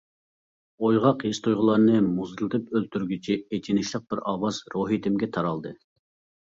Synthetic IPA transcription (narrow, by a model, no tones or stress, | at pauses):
ojʁɑqjest̪ʰujʁʊlˠɑɾnɨmuzɨlˠɨt̪ɨpølt̪ʰyɾɡʲyt͡ʃʰiet͡ʃʰinɪʃlˠəq̚b̥ɪɾɑːwɑzɾoɦit̪ʰɪmɡʲɛt̪ʰɑɾɑlˠd̪ɨ